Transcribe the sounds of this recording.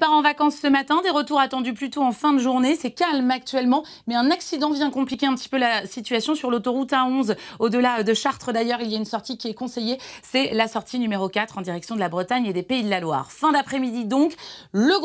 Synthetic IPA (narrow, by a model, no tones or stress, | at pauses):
paʁɑ̃vakɑ̃sːəmat̪ɛ̃d̪eʁət̪uʁat̪ɑ̃d̪yplyt̪oɑ̃fɛ̃d̪əʒuʁnesɛkalmak̚t̪ɥɛlmɑ̃ | mɛɛ̃naksid̪ɑ̃vjɛ̃kɔ̃plikʲeɛ̃pət̪i̥pølasit̪ɥasjɔ̃syʁlot̪ɔʁut̪aɔ̃zod̪əlad̪əʃaʁt̪χəd̪ajœʁiljaynsɔʁt̪ikʲiɛkɔ̃sejesɛlasɔʁt̪ʰinymeʁokʲat̪χɑ̃d̪iʁɛksjɔ̃d̪əlabʁət̪aɲed̪epeid̪əlalwa̰ːʁfɛ̃d̪apχɛmid̪id̪ɔ̃kləɡ